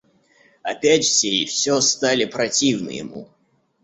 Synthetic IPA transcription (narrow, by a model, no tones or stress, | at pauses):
ɐpʲætʲfsʲeifsʲost̪alʲɪpɾɐtʲivnɨ̰jɪ̰mṵ